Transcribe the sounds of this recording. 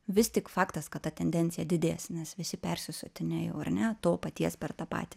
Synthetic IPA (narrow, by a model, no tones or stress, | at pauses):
ʋʲɪst̪ʲɪkfɑːkt̪ɐskɐt̪t̪ɐt̪ʲɛnʲd̪ʲɛnʲtsʲɪjɛd̪ʲɪd̪ʲeːsnʲɛsʋʲɪsʲɪpʲɛrʲsʲɪsʊt̪ʲɪnʲeːjoːɐrnʲɛt̪oːpɐt̪ʲiɛspʲɛrt̪ɑːpɑ̰ːt̪ʲɪ